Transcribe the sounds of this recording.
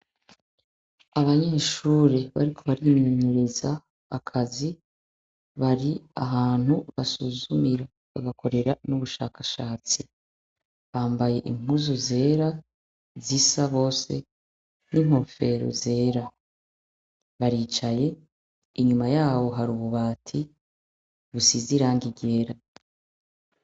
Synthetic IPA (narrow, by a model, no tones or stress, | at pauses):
aβaɲe̞ːʃuːɾeβa̰ɾikʰo̞βaɾimiɲuɾezaː | kʰazi | βaɾia̰ɦaːn̥huβasuzumiɾa | βa̰ɡakʰo̞ɾe̞ɾanuβuʃa̰ːkaʃaːt͡si | βaːmbaje̞ʔim̥uzuze̞ːɾa | zisaβo̞ːse̞̰ | nim̥ho̞fe̞ɾo̰ze̞ːɾa | βaɾiːt͡ʃaje̞ | iɲumajaːβo̞ɦaɾuβuβaːtʰi | βusiziɾaːŋɡiɟe̞ɾa